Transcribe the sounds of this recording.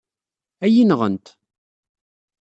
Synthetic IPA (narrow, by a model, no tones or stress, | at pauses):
æjinʁə̰nt̪